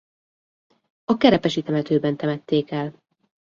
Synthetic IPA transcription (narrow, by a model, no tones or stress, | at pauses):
ɒkɛɾɛpɛʃit̪ɛmɛt̪øːbɛnt̪ɛmɛt̪ːeːkɛl